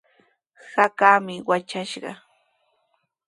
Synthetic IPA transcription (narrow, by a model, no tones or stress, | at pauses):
hakaːmɪwat͡ʃaʃɢɑ̰